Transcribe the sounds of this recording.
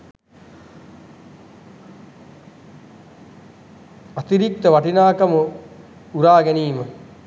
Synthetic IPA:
at̪iɾik̚t̪əʋaʈinaːkamə | uɾaːɡɛniːmə

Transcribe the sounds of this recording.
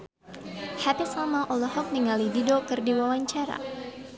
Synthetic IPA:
hap̪isamaʔɔlɔhɔk̚niŋalididɔkɨrdiwawaɲt͡ʃaɾa̰

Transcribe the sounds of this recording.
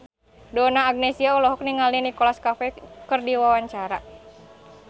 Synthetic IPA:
dɔnaːɡ̚nɛsiaulɔɦɔk̚niŋalinikɔlaskafɛkərdiwawaɲt͡ʃaɾa

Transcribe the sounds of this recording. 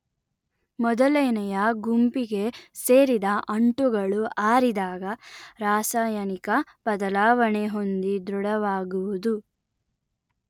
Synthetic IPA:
mɔd̪ɐleːnɐjɐɡumpiɡe̞se̞ːɾid̪ɐʔɐɳʈuɡɐɭuaːɾid̪aːɡɐɾaːsaːjɐnikɐb̥ɐd̪ɐlaːʋɐɳeɦo̞nd̪id̪ɾuɽɐʋaːɡuʋud̪u

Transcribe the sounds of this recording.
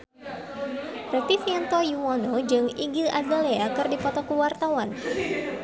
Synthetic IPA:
rət̪isiant̪ɔjuwɔnod͡ʒɨŋiɡilʔazaleakɨrdipɔt̪ɔkəwart̪awan

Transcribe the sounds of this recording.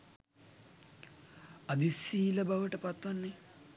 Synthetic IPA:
ɐd̪isiːlɐbɐʋɐʈɐpɐt̪ʋɐnːi

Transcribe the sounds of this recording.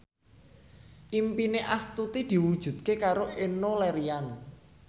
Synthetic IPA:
ʔimpineʔast̪ut̪id̪̥i̤wud̥ʒ̥ṳd̪̚kekaɾoʔenolɛɾian

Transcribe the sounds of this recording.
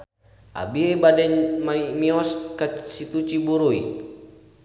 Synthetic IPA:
a̰biebadɛɲmaimiɔskasit̪ut͡ʃibuɾuḭ

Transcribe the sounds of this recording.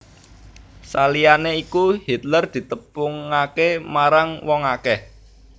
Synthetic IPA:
salijaneikuhit̪lərd̪̥i̤t̪əpʊŋakemaɾaŋwɔŋakɛh

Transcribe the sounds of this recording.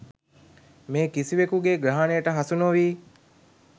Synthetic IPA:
meːkisiʋekuɡeɡɾaɦaːnejəʈəɦɐsunoʋiː

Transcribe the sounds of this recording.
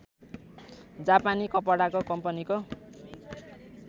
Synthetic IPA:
d͡zapanikʌpʌɽakokʌmpʌniko

